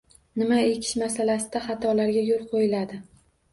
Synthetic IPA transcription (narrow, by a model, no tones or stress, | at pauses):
nɪmaekʲʰɪ̥ʃmasalasɪd̪aχɑt̪ʰɒlaɾɡʲajolˠqʰojɪlad̪ɪ